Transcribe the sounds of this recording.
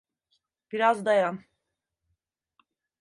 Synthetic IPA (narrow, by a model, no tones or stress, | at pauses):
b̥iɾazd̪ajam